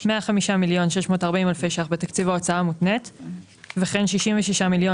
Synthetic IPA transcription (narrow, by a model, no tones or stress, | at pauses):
meaχamiʃamiljo̞nʃeʃmo̞ːtaʁbaimalfeʃaχbet̪akt͡sivao̞t͡saamut̪net | veχenʃiʃimveʃiʃamiljo̞